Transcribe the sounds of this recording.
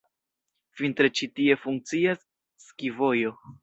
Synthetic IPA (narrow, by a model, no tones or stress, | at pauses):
fint̪ɾet͡ʃitie̞fuŋk̚t͡siasː | kivo̞jo̞